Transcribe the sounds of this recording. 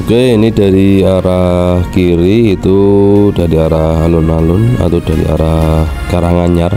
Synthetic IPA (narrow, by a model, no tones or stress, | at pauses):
okeinidaɾiaɾahkiɾiːt̪udaɾiaɾaɦalʊnalʊna̰t̪adaɾḭa̰ɾah | ɡ̥aɾahŋaɲar